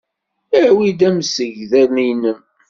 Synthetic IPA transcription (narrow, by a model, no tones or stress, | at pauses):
æwid̪æmsəʝðæɾnijnəm